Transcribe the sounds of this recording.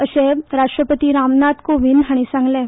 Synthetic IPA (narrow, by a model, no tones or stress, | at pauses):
əɕeɾaʂʈɾəpət̪iːɾamnat̪koʋiːnɦaɽ̃isãŋɡlɛ̃